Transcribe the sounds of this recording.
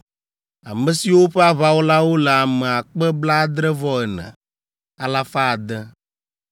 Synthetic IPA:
a̰˨mə˨si˨wo˦ɸɛ˦a˦βa˦wo˦la˦wo˦lɛ˨a˨mɛ˨a˨k͡pɛ˦bla˦d̪ɾɛ˦vɔ˦ɛ˨nɛ̰̃˨ | a˨la˦fa˦a˨d̪ɛ˦

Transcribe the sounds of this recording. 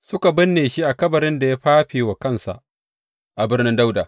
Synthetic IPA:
sʊ˦ka˨bɪ˦nːeː˨ʃi˦ʔa˨kɐ˦bɐ˨ɾɪ˦nda˨ja˦ɸaː˦ɸeː˨wa˨kɐ˦˨nsa̰˨ʔ | ʔa˨bɪ˦rnɪ˦nda˦wda̰ː˨

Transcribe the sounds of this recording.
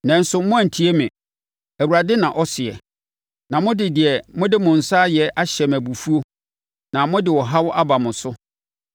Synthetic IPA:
nɛ̃˨n̩˦sʊ˨mʊ̃˦æ˨n̩˨tʰi˦e˦mɪ̃˨ | æ˨wu˨ɾa˨dɪ˦nã˨ʔɔ˦sɪ˨ɛ̰˨ | nã˨mʊ̃˦dɪ˨dɪ˨ɛ˨mʊ̃˦dɪ˦mʊ̃˨n̩˨saː˦jɛ˨ʔa˦ɕɛ˨mæ˨bu˨fu˦o˦ | nã˨mʊ̃˦dɪ˨wɔ˨ɦa˦wɔ˦ʔa˦ba˨mʊ̃˨sʊ˦

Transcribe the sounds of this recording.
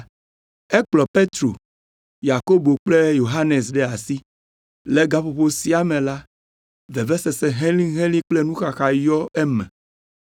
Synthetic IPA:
ɛ˦k͡plɔ˨pe˦t̪ɾo̰˨ | ja˨ko˦bo˨k͡ple˦jo˨ɦa˦ne˨sɖɛ˦a˨si˦ | le˦ɡa˦ɸo˨ɸo˦si˦a˦mẽ˨la˦ | vɛ˨vɛ˦sɛ˨se˨ɦɛ̃˦lĩ˦ɦẽ˦lĩ˦k͡ple˦nũ˦xa˨xa˨jɔ˦e˦mɛ̰̃˨

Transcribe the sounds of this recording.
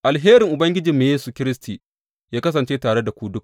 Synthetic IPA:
ʔa˨lɦeː˦ɾɪ˨ŋʔʊ˨bɐ˦ŋɡʲɪ˦d͡ʒɪ˨mːeː˨jeː˦su˨kʲɪ˦ɾɪ˦stiː˨ | jaː˦kɐ˦s̬ɐ˨nt͡ʃeː˦taː˨ɽe˦da˨kʷu˦dʊ˦k

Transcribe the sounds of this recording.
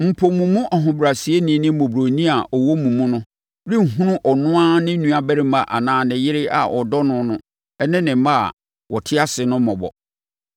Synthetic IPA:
m̩˨pʰo˨mũ˨mũ˦ʔɔ˨ɦʊ̃˨bɾa˨si˨e˦nɪ̃˨˦nɪ̃˦mõ˨bɾo˨nĩ˦a˨ʔɔ˨wɔ˦mũ˨mũ˦nʊ̃˦ | ɾi˦˨ɦũ˦nʊ̃˦ʔɔ˨nʊ̃˦a˦nɪ̃˦nũ˨a˨bæ˦ɾɪ˦mã˨ʔa̰˨nãː˨˦˨nɪ̃˨jɪ˦ɾɪ˦a̰˨ʔɔ˨dɔ˦nʊ̃˦nʊ̃˦ | ɛ˦nɪ̃˦nɪ̃˨˦ma̰˦˨ | wɔ˨tʰɪ˦a˦sɪ˨nʊ̃˦mɔ̃˨bɔ̰˨

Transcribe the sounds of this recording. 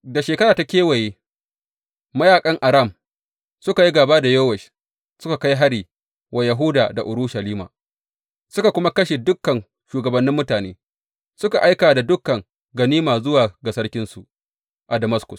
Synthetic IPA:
da˨ʃeː˨kɐ˦ɾaː˨ta˦kʲeː˦wɐ˨jeː˦ | mɐ˦jaː˨kʼɐ˦ŋʔa˨ɾa˦˨m | sʊ˦ka˨ji˦ɡaː˨baː˦da˨joː˦wɛ˨ʃ | sʊ˦ka˨ka˦jɦa˦ɽiː˨ | wʔa˨jɐ˨ɦʊ˦daː˨da˨ʔʊ˨ɾɽu˦ʃa˨liː˦ma̰˨ | sʊ˦ka˨kʷʊ˦ma˦kɐ˦ʃe˨dʊ˦kːɐ˨n | ʃuː˨ɡɐ˨bɐ˦nːɪ˦mːʊ˦taː˨nḛː˦ | sʊ˦ka˨ʔa˦jkaː˨da˨dʊ˦kːɐ˨ŋ | ɡɐ˨niː˦maː˨zʊ˦waː˨ɡa˨sɐ˦ɽkʲɪ˦nsu˨ʔ | ʔa˨dɐ˨mɐ˦skʊ˨s

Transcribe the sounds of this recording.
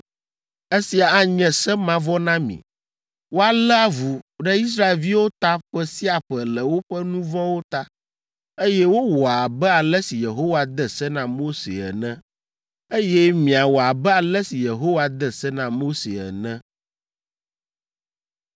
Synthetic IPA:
e˦si˨a˨a˦ɲɛ̃˨sɛ˦mã˦vɔ˦nã˦mḭ̃˨ | wo˦a˨lɛ˦a˦vu˨ɖɛ˦i˦s̬ɾa˦e˨lvi˦wo˦t̪a˦ɸɛ˦si˦a˨ɸɛ˨lɛ˨wo˦ɸɛ˦nũ˦vɔ̃˦wo˦t̪a˦ | e˦jɛ˦wo˦wɔ˨a˨bɛ˦a˨lɛ˦si˨je˨ɦo˦wa˨d̪ɛ˦sɛ˦nã˨mo˦sḛ˨ɛ̰˨nɛ̃˦ | e˦jɛ˦mĩ˨a˨wɔ˨a˨bɛ˦a˨lɛ˦si˨je˨ɦo˦wa˨d̪ɛ˦sɛ˦nã˨mo˦sḛ˨ɛ̰˨nɛ̃˦

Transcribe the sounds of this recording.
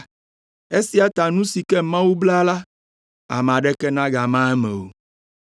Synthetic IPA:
e˦si˨˦a˨t̪a˨nũ˦si˨kɛ˦mã˦wu˦bla˦la˦ | a̰˨m˨ã˨ɖɛ˦kɛ˦nã˦ɡa˨mã˦ɛ˦mɛ̰̃˨o̰˨

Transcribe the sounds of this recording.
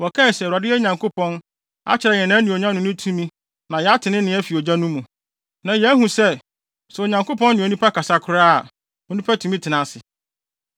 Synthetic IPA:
wɔ˨kʰã˦˨sɛ˨a˨dɪ˦ɛ˦ɲã˨ŋkʰo˦pɔ̃˦n | a̰˦t͡ɕʰɪ˨ɾɛ˨ɲɛ̃˨nã˦nĩ˨o˨ɲã˦nʊ̃˨˦nʊ̃˦tʰũ˦mĩ˦ | nã˨jɛ˨a˦tʰɪ˨nɪ̃˦nɪ̃˨˦æ˦fi˨o˨d͡ʑa˦nũ˦mũ˨ | nã˨jɛ˨æ˦ɦũ˨sɛ˦ | sʊ˨o˨ɲã˨ŋko˦pɔ̃˦nnɪ̃˨o˨nũ˦pʰa˦kʰa˨sa˦kʰʊ˦ɾaː˦a˨ | o˨˦nũ˦pʰa˦tʰũ˨˦mĩ˦tʰɪ˨nã˨sɪ˨

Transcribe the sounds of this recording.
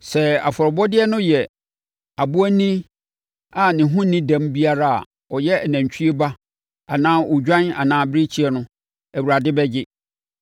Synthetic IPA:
sɛ˨a̰˨fɔ˨ɾɔ˨bɔ˦dɪ˦ɛ˦nʊ̃˦jɛ˨ | a˨bu˦æ˦nĩ˦ | a˨nɪ̃˨ɦʊ̃˦nːɪ̃˦dã˦mbi˦a˦ɾa˦a̰˨ | ɔ˨jɛ˦˨næ̃˨ɲ˨t͡ɕʰᶣi˦e˦ba˦ | a˨nãː˦ʔɔ˨d͡ʑᶣã˦na̰˨nãː˦bɪ˦ɾɪ˦t͡ɕʰi˦ɛ˦nʊ̃˦ | æ˨wu˨ɾa˨dɪ˦bɛ˦d͡ʑɪ˦

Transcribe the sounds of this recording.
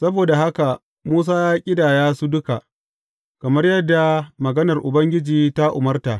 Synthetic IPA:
sɐ˦boː˨da˨ɦa˦ka˨ | muː˦s̬aː˦jaː˦kʲʼɪ˦daː˨jaː˦su˦dʊ˦ka˨ʔ | kɐ˨mɐ˦rjɐ˦dːa˨mɐ˨ɡɐ˦nɐ˨rʔʊ˨bɐ˦ŋɡʲɪ˦d͡ʒiː˨ta˦ʔʊ˨mɐ˦rta˨ʔ

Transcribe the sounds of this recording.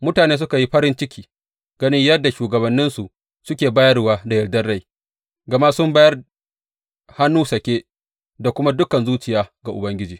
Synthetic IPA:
mʊ˦taː˨neː˦s̬ʊ˦ka˨ji˦ɸɐ˦ɾɪ˦nt͡ʃɪ˦kʲiː˨ | ɡ̥ɐ˦nɪ˦ɲjɐ˦dːa˨ʃuː˨ɡɐ˨bɐ˨nːɪ˦nsu˨ʔ | sʊ˦kʲeː˨baː˦jɐ˦rwaː˦da˨jɐ˨ɽdɐ˦rɽa˦˨j | ɡa˨ma˦sʊ˦mba˦jɐ˦r | ha˦nːuː˦sɐ˨kʲeː˦ | da˨kʷʊ˦ma˦dʊ˦kɐ˨nzuː˦t͡ʃɪ˨jaː˦ɡa˨ʔʊ̰˨bɐ˦ŋɡʲɪ˦d͡ʒiː˨

